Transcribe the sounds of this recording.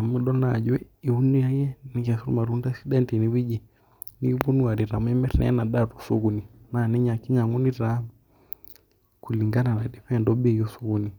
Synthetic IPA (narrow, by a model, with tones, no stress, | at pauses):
a˨mu˦ɗɔ˦na˨d͡ʒwɛ˦i˨u˦nu˦a˦jɛ˦ni˨ka˨su˦ɾṵ˦ma˨ɾu˦n˦da˦si˦ɗɛ˦nti˨ni˨˦wi˦d͡ʒi˨ | ni˦bu˦nu˦a˨ɾi˨ɾa˨mu˦ɛ˦mɛ˦ɾnɛ̰a̰˦na˨ɗatu̥˨su˦ɣu˨ni˨na˨nɛ˦ɲa˨ki˦ɲa˨ŋu˦ni˦ɾa˦m | ku˨li˨ŋɡa˦na˨na˨di˨pɛ˦ndɔ˦ɓɛ˦˨jɔ˦su˦ɣu˦ni˨